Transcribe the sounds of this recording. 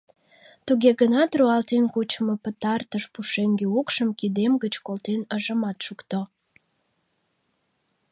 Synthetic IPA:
t̪uɣeɣənɑt̪ruɑlt̪enkut͡ɕəmopət̪ɑrt̪əʃpuʃeŋɡeukʃəmkid̪emɡət͡ɕkolt̪enəʒəmɑt̪ʃukt̪o

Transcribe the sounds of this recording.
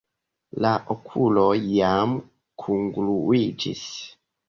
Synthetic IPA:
laʔokʰulojam | kʰuŋɡluid͡ʒḭs

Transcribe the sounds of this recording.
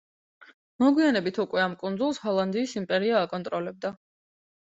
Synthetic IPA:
mɔɡwianɛbit̪ʰukʼwɛamkʼund̪zulˠshɔlˠand̪iːsimpʼɛɾiaːkʼɔnt̪ʼɾɔlɛb̚d̪a

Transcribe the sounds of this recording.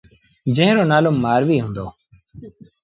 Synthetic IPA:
d͡ʒẽɦɾoːnaːlomːaːɾʋiːɦʊ̃ːnd̪o̰ː

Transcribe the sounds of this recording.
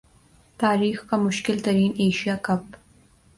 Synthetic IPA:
t̪ɑːɾixkamʊʃkɪlt̪aɾineʃijɑːkap

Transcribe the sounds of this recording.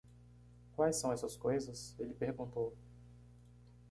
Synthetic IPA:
kwajsɐ̃w̃ɛsɐskojzɐselɪpeɾɡũnt̪ow

